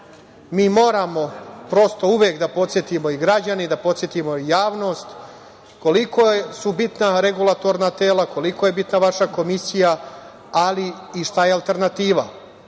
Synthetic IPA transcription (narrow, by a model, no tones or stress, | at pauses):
miːmo̞ːɾamo̞pɾo̞st̪o̞uʋjekd̪apo̞t̪sjet̪imo̞iɡɾad͡ʑanid̪apo̞t̪sje̞t̪imo̞ijaːʋno̞ːst̪ | ko̞liko̞jesubit̪naɾe̞ɡulˠat̪o̞ɾnat̪eːlˠako̞liko̞je̞bit̪naʋaʃako̞misija | aliːʃt̪ajealˠt̪e̞ɾnat̪iːʋa